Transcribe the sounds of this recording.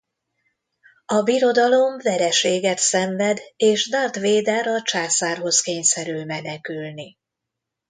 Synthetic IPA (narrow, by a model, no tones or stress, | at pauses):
ɒbiɾo̞d̪ɒlo̞ɱvɛɾɛʃeːɡɛt̪sɛɱvɛd̪eːʃd̪ɒrt̪ʋeːd̪ɛɾɒt͡ʃaːsaːrɦo̞skeːɲsɛɾylmɛnɛkylni